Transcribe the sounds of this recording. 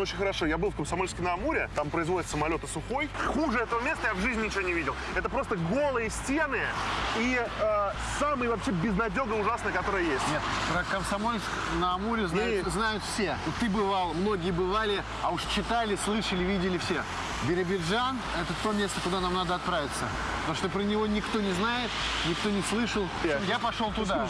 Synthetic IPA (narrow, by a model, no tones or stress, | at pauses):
ot͡ɕʲɪnʲxəɾɐʂojabɨlˠfkəmsɐmo̞lʲskəjnəɐmuɾʲɪt̪ampɾəɪzvo̞dʲɪt̪səmɐlʲo̞t̪əsʊxo̞jxuʐɨɛt̪əvəmʲe̞st̪əjavʐɨzʲnʲnʲɪt͡ɕɪvʲonʲɪvʲidʲɪlˠɛt̪əpɾo̞st̪əɡo̞lˠɨjəsʲtʲenɨəiə | samɨjvɐpɕebʲɪznɐdʲo̞ɡəʊʐasnɨjəkɐt̪o̞ɾɨjəjesʲtʲnʲet̪pɾəkəmsɐmo̞lʲsk | nəɐmuɾʲɪznajʊznajʊt̪fsʲe̞ot̪ːɨbɨvalˠmno̞ɡʲɪjəbɨvalʲɪ | ɐuʂt͡ɕɪt̪alʲɪslˠɨʂəlʲɪvʲidʲɪlʲɪfsʲe̞ | bʲɪɾʲɪbʲɪdʐan | ɛt̪ət̪o̞mʲest̪əkʊd̪anamnad̪əɐt̪̚pɾavʲɪt̪sə | t̪ɐmʂt̪opɾənʲɪvo̞nʲɪkt̪o̞nʲɪznajɪt̪nʲɪk̚t̪o̞nʲɪslˠɨʂəlˠjapɐʂo̞lˠt̪ʊd̪a